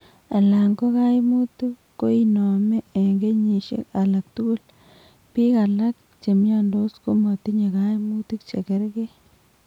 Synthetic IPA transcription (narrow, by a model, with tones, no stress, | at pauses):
a˨la˨ŋɡo˦ka˦i˦mu˦tuː˦o˦i˨nɔ˨mɛ˦e˨ŋɡe˦ɲi˨ʃḛ˦ka˨la˨k̚tu˦ku˦l | pi˦ka˨la˦k̚ | t͡ʃe˨m˦a˦ndo˦sko˦mɔ˨t̪i˦ɲe˨ka˦jmu˦ti˦k̚t͡ʃḛ˨ke˦ɾke˦